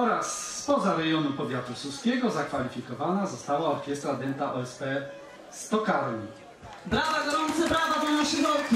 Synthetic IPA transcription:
ɔɾaspɔzaɾɛjɔnupɔvʲjat̪ususkʲɛɡɔzakfalʲifʲikɔvanazɔst̪awaɔɾkʲɛst̪ɾad̪ʲɛnt̪aʔɔɛspɛ | st̪ɔkaɾɲi | d̪ɾad̪aɡɔɾɔɲit̪sɨpɾavad̪ɛjɔ̃ɕiɾɔkʲi

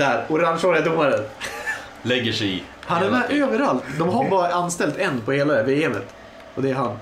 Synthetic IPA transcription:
æːɾʊɾaŋʂɔɾɛd̪ʊmːaɾən | lɛɡːəʂɛɪ̰ | hanæɾmæʔøːvəɾalt̪d̪ɔmɦabɑːɾaanst̪ɛlt̪ɛnːpʰɔheːlaveːɛmə̰t̪ | ʔɔd̪ɛæɾɦanː

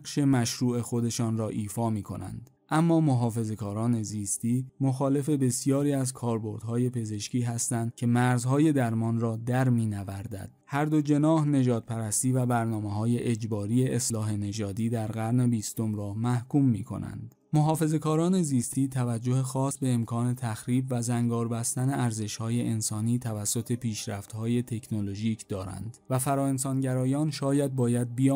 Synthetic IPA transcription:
ʃe̞mæʃɾuːe̞xo̞d̪e̞ʃɒːnɾɒːʔiːfɒːmiːkʰo̞̰næ̰nd̪ | ʔæmːɒːmoɦɒːfe̞ze̞kʰɒːɾɒːne̞ziːst̪iːmo̞xɒːle̞fe̞be̞sijɒːɾiːæzkʰɒːɾbo̞ɾd̪̥hɒːje̞pʰe̞ze̞ʃciːɦæst̪ænd̪̥̚cʲʰe̞mæɾzhɒːje̞d̪æɾmɒːnɾɒːd̪æɾmiːnævæɾd̪æ̰d̪̥̚hæɾd̪od͡ʒe̞nɒːhne̞d͡ʒɒːd̪̥̚pʰæɾæst̪iːvæbæɾnɒːmeɦɒːje̞ʔed͡ʒbɒːɾiːje̞ʔeslɒːɦe̞ne̞d͡ʒɒːd̪iːd̪æɾɣæɾne̞biːst̪o̞mɾɒːmæhkʰuːmːiːkʰo̞̰nʔæ̰nd̪̥ | moɦɒːfe̞ze̞kʰɒːɾɒːne̞ziːst̪ʰiːt̪ʰævæd͡ʒːo̞hexɒːsbe̞ːmkʰɒːne̞t̪ʰæxɾiːbvæzæŋɡɒːɾbæst̪æne̞ʔæɾze̞ʃhɒːje̞ʔensɒːniːt̪ʰævæsːo̞t̪ʰe̞pʰiːʃɾæft̪hɒːje̞t̪ʰe̞kʰnolo̞ʒiːcʰd̪̥ɒːɾæ̰nd̪̥væfæɾɒːe̞nsɒːnɟæɾɒːjɒːnʃɒːjæd̪̚bɒːjæd̪̚bijː

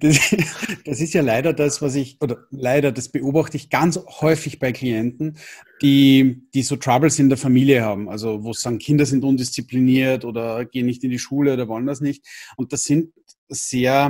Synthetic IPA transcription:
d̥asd̥asɪstjaːlaɪɾɐdasvas̬ɪçʔoːdɐlaɪɾɐd̥asb̥əʔoːbaxtəɪçɡ̥ant͡shɔʏfɪçb̥aɪkʰliɛntn̩d̥iːd̥iːsoːtʁ̥abl̩sɪ̃ndeːɐfamiːliəhaːbm̩a̰lzovoːsaːɡŋ̩kʰɪndɐzɪntʔʊndɪst͡sipliniːɐtoːdɐɡ̥eːənːɪçtɪndiʃuːləoːɾɐvɔləndasnɪçtʊnt̚d̥asːɪnt | z̥eːɐ

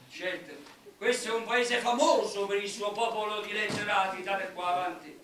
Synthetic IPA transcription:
d͡ʒɛnt̪e | kwest̪oɛumpaeːzefamoːzopeɾilsuopɔːpolʊd̪ilet̪soɾaːt̪it̪aːɾekːwaːvant̪i

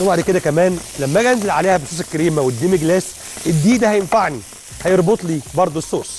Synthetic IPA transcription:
baʕd̪ked̪ækæmæːnlæmːæɡænzelʕaleːhæbesˤoːs̬ˤekːæɾiːmæwed̪ːiːmeɡlæːs | ʔed̪ːiːd̪æhæjenfaʕni | hæjeɾˤbot̪ˤliːbɑɾˤd̪ˤosːoːs

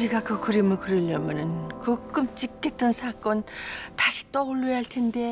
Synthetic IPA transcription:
iɡakɯkɯɾimɯɭkɯɾɯʎːjʌmjʌnɯnkɯk͈ɯmt͡ɕ͈ik͈ːet̚t͈ʌnsʰak͈ʌntaɕʰi̥t͈ʌuɭːujɦaɭtʰe̞nde̞

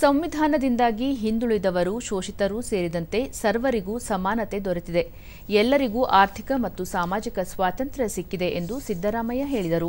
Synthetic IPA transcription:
sɐmʋid̪ʱaːnɐd̪ind̪aːɡiɦind̪uɭid̪ɐʋɐɾuʃoːʃit̪ɐɾuse̞ːɾid̪ɐnt̪e̞sɐɾʋɐɾiɡuːsɐmaːnɐt̪e̞d̪ɔɾet̪id̪e | ɛlːɐɾiɡuːʔaːɾt̪ʰikɐmɐt̪ːusaːmaːd͡ʒikɐsʋaːt̪ɐnt̪ɾɐsikːid̪e̞ʔend̪usid̪ʱːɐɾaːmɐjɐɦe̞ːɭid̪ɐɾu

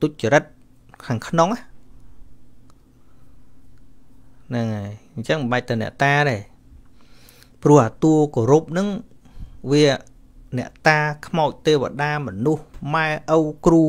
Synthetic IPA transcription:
t̪uc̚t͡ɕiəɾət̪̚ | kʰaːŋkʰnoŋah | nɨŋajɲt͡ɕəŋməɓəc̚t̪ɨwnɛ̆əʔt̪aːɗaː | prʊ̆əhʔaːt̪uəkoɾup̚nɨŋ | ʋiə | nɛ̆əʔt̪aːkʰmaɔc̚t̪eːʋa̰ɗaːmɔnuhmaɛʔəwkruː

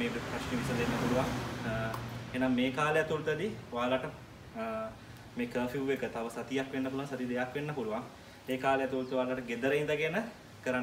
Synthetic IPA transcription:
eːʋiʈepɾaʃniʋisəlenːəpuluʋaŋ | eːnaŋmeːkaːləjat̪ulut̪əd̪iʋaːlaʈə | meːkəːfiʋuʋekət̪aʋəsat̪ijakʋenːəp̬uluʋaŋsat̪id̪ejakʋenːəpuluʋaŋ | eːkaːləjat̪ult̪əʋaːlaʈəɡed̪əɾəind̪əɡenə | kəɾan

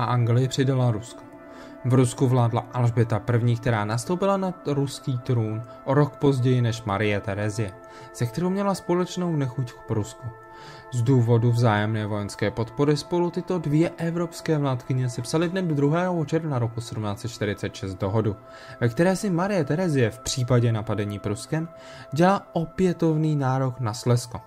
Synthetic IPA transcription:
aʔaŋɡlɪjɪpr̝̥ɪdalaɾusko̥ | vɾuskuvlaːdla̰ʔalʒbɪt̪apr̩vɲiːkt̪ɛɾaːnast̪o̞wpɪlanaɾuskiːt̪ɾuːn | ʔoɾo̞kpo̞zɟɛjɪnɛʃmaɾɪjɛt̪ɛɾɛzɪjɛ | sɛkt̪ɛɾowmɲɛlaspo̞lɛt͡ʃno̞wnɛxuckpɾusku | zduːvo̞duvzaːjɛmnɛːvo̞jɛnskɛːpo̞t̪po̞ɾɪspo̞lut̪ɪt̪o̞dvjɛʔɛvɾo̞pskɛːvlaːt̪kɪɲɛsɪpsalɪdnɛdod̪ɾuɦɛːɦoot͡ʃɛɾvnaɾo̞kusɛdumnaːt͡sɛt̪̚t͡ʃt̪ɪɾɪt͡sɛt̪ʃɛst̪̚do̞ɦodu | vɛk̚t̪ɛɾɛːsɪmaɾɪjɛt̪ɛɾɛzɪjɛfpr̝̥iːpaɟɛnapadɛɲiːpɾuskɛm | ɟɛlaʔopjɛt̪o̞vniːnaːɾo̞knaslɛsko

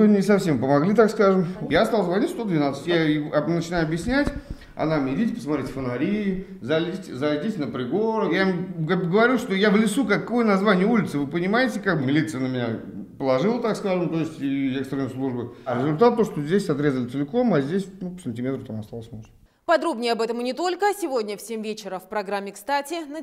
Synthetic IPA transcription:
nʲɪsɐfsʲe̞mpəmɐɡlʲit̪akskaʐɨmjast̪ɑlˠzvɐnʲitʲst̪o̞d̪vʲɪnat̪sə̥ɨtʲjaɪnət͡ɕɪnajʊɐbjɪsʲnʲætʲ | ɐ̰namʲɪdʲitʲpə̥smat̪ɾetʲfənɐɾʲiɪ | zɐlʲitʲzɐlʲdʲitʲnəpɾʲɪɡoɾəjamɡɡəvɐɾʲuʂt̪o̞javlʲɪsukakːojənɐzvanʲɪjəulʲɪt̪sɨvɨpənʲɪmajɪtʲɪkak̚bmʲɪlʲit̪sɨjənəmʲɪnʲa̰ | pəlˠɐʐɨlˠət̪akskaʐɨmt̪o̞jɪsʲtʲiekst̪ɾənəjslˠuʐbəɾʲɪzʊlʲt̪at̪ːo̞ʂt̪ozʲdʲesʲɐt̪ɾʲe̞zəlʲɪt̪sɨlʲɪko̞mazʲdʲesʲnupsənʲtʲɪmʲe̞t̪ɾət̪amɐst̪alˠəsʲmoʐ | pɐd̪ɾo̞bnʲɪjəɐbɛt̪əmnʲɪt̪o̞lʲkəsʲɪvo̞dʲnʲəfsʲemʲvʲet͡ɕɪɾəfpɾɐɡɾamʲːɪkst̪atʲɪnə

